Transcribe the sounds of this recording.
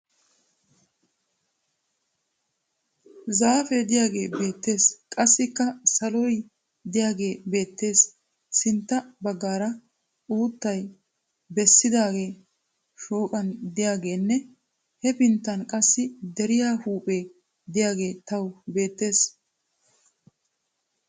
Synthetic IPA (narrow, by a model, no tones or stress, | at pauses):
zaːfed̪ɪjaːɡe̞̰ːbe̞ːt̪ːe̞ːskʼɐsːɪkːɐsɐlɔj | d̪ɪjaːɡe̞ːbe̞ːt̪ːe̞ːs | sɪnt̪ːɐbɐɡːaːɾɐ | uːt̪ːɐj | bɛsːɪd̪aːɡe̞ː | ʃoːkʼɐnd̪ɪjaːɡe̞ːnːɛ | hɛpɪnt̪ːɐnkʼɐsːɪd̪ɛɾɪjaːhuːpʼe̞ː | d̪ɪjaːɡe̞ːt̪ɐwbe̞ːt̪ːe̞ːs